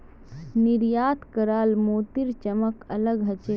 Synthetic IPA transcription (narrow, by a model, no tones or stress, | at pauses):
nɪɾjaːt̪kəɾaːlmoːt̪iɾt͡ʃəməkɐləɡɦət͡ʃe